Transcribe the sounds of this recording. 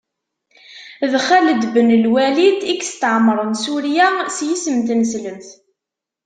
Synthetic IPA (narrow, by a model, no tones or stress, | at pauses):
ðχæləd̪bənəlwælid̪ikst̪əʕmːəɾˤənsuɾjasjisəmt̪nsləmθ